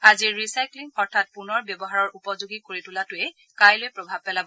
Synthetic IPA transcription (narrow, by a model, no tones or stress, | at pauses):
aziɹːisajkliŋɔɹtʰat̚punɔɹbjɔbɔɦaɹɔɹʔupɔzoɡikoɹitʊlatʊɛ | kajlojpɹɔbʱab̚pɛlabɔ